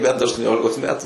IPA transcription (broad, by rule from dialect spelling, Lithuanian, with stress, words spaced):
ˈbʲɛnt ɐʃtuɔˈnʲoːlʲɪkoːs ˈmʲæːtʊ